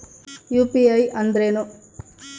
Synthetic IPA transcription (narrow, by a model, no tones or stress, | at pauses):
juːpiɐjʔɐnd̪ɾeːnu